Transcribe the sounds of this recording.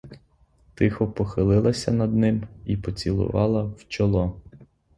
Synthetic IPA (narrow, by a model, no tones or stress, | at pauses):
t̪ɪxɔpɔxɪlˠɪlˠɐsʲɐnɐd̪nɪmipɔt͡sʲilˠʊ̰ʋɑlˠɐwt͡ʃɔlˠɔ